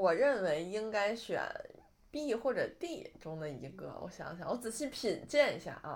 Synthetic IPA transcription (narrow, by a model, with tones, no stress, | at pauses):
wɔ˨˩ɻə˥˩nwe˧˥ɪi˥ŋka˥ɪɕɥɛ̰˨˩n | pi˥˧xwɔ˥˩ʈ͡ʂɤ˨˩t̪i˥˩ʈ͡ʂʊ˥ŋd̪ə˨i˧˥ɡə̰˧wʔɔ̰˧˥ɕjɑ̰˧˥ŋɕjɑ˨˧˦wɔ˧˥t͡sɹ̩˨˩ɕi˥˩pʰi˨˩nt͡ɕjɛ˥˩nḭ˧˥ɕja̰˥˩ʔ